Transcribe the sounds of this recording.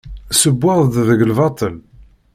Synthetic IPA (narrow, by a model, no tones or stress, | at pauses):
səbːəðˤd̪ðəɡlvɑt̪ˤəl